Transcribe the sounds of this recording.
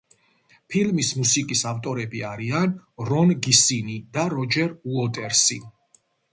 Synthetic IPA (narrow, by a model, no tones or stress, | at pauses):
pʰilmismusikʼisaft̪ʼɔɾɛbiaɾianɾɔnɡisinid̪aɾɔd͡ʒɛɾuɔt̪ʼɛɾsi